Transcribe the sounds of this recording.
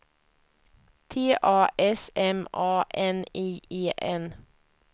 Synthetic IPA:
t̪ʰeːʔɑːʔɛsɛmʔɑːʔɛniːeːʔɛn

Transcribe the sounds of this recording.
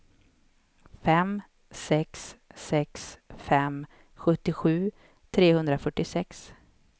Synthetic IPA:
fɛm | sɛksːɛksfɛm | ɧɵt̪ːɪɧʉ̟ː | t̪ʰɾeːhɵnd̪ɾafœʈːɪsɛks

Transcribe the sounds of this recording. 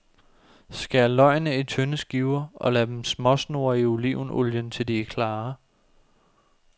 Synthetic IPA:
sɡ̥æɐlɒ̽ɪnəit͡sʰønəsɡ̥iʊɐɒ̽læd̥emsmɒ̽sno̝ːɐioliʊ̰noljənt͡sʰe̝ld̥iekʰlɑː

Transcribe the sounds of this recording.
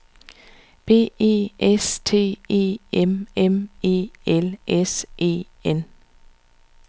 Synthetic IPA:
b̥eːʔe̝ːʔɛst̪ʰeːeːɛmɛmeːɛlʔɛsʔḛː | ɛn

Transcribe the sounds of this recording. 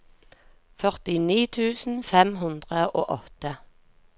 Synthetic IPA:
fœʁt̪ɪniːt̪ʰʉːsn̩fɛmɦʉnd̪ʁəʔo̰ːʔɔt̪ə

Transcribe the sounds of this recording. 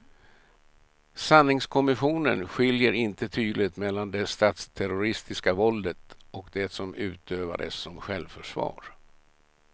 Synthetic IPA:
sanːɪŋskʰɔmɪɧuːnənɧɪljəɾɪnt̪ət̪ʰyːd̪lɪt̪mɛlːand̪ɛst̪aːt̪st̪ʰæɾʊɾɪst̪ɪskavɔld̪ət̪ʔɔkd̪ɛsɔmʉ̟ːt̪ʰøːva̰d̪ə̰sːɔmɧɛlvfœʂvɑ̰ːɾ

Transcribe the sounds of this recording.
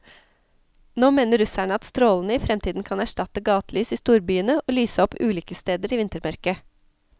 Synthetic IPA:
noːmeːnəɾʉsæɳəɑt̪st̪ɾoːln̩əiːfɾɛmt̪ʰiːd̪n̩kʰɑnæʂʈɑt̪əɡɑːt̪lyːsiːst̪uːɾbyːənəʔoːlyːsəɔpʉːliːkəst̪eːd̪əɾiːʋɪnt̪əɾmɑɾkə

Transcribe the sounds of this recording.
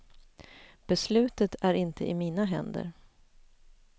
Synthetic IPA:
b̥ɛslʉ̟ːt̪ət̪ʰæɾɪnt̪ʰə̰ʔɪmiːnaɦɛ̰nd̪ə̰ɾ

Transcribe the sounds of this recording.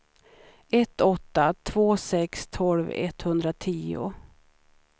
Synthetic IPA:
ɛt̪ːɔt̪ːat̪ʰv̥oːsɛkst̪ʰɔlvɛ̰t̪hɵnd̪ɾat̪ʰiːʊ̰

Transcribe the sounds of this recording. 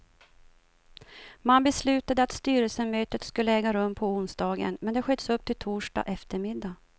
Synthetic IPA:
manbɛslʉ̟ːt̪ad̪əat̪st̪yːɾəlsəmøːt̪ət̪skɵlːəɛːɡaɾɵmːpʰɔʊnsd̪ɑːɡə̰nmɛnd̪ɛɧœd̪əsɵp̚ːt̪ʰɪlt̪ʰuːʂɖa̰ʔɛft̪əɾmɪd̪ːa

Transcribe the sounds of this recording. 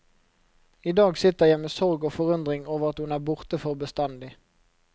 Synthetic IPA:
iːd̪ɑːɡsɪt̪əʁjæɪmeːsɔʁɡoːfɔʁʉnd̪ʁɪŋoːʋəʁɑt̪hʉnæːʁbʊʁt̪əfɔʁbəst̪ɑnd̪ɪ

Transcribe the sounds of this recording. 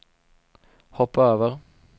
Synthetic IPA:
hɔpːəøːʋəʁ

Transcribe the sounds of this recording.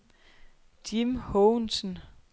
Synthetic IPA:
d̥imhɔʊnsn̩

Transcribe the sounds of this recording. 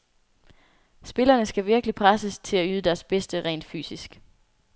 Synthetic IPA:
sb̥e̝lɐnəsɡ̥æʋiɐɡ̥əlipʰʁasəst͡sʰe̝læyð̞ˠəd̥æɐsb̥esd̥əʁɛ̰ːnd̥fy̰ːsisɡ̥

